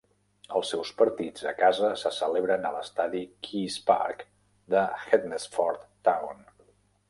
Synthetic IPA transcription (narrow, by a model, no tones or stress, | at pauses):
əlˠsɛwspəɾt̪id͡zəkazəsəsəleβɾənələst̪aðikʰispa̰ɾk | d̪əxet̪nəsfɔɾt̪ː | awn